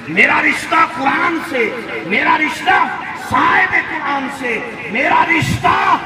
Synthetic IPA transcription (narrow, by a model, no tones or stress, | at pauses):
meːɾaɾɪʃt̪akʊɾaːnse | meːɾaɾɪʃt̪a | səɦajbekaːnse | meːɾaɾɪʃt̪a